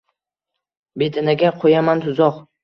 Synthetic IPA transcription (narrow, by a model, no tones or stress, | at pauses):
bet̪ʰɪnaɡʲaqʰojamant̪ʰʊzɒq